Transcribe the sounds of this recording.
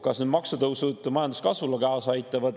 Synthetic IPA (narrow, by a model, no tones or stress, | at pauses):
kɑsnyd̪mɑksut̪ɤwsud̪̥mɑjɑnd̪u̥skɑsvulɑkɑosɑjt̪ˑːɑvɑd̪